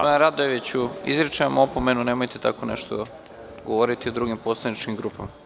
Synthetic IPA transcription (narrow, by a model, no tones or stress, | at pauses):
ɾad̪oeʋit͡ɕuḭzɾet͡ʃamopomenune̞ːmojt̪et̪a̰ko̞ne̞̰ʃt̪o | ɡoʋoɾit̪iod̪ɾuɡimpo̞slˠanit͡ʃkimɡɾuːpama